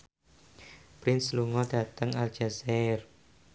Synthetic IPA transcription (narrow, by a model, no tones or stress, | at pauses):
pɾɪnsluŋɔd̥ä̤t̪əŋald͡ʒ̥azɛr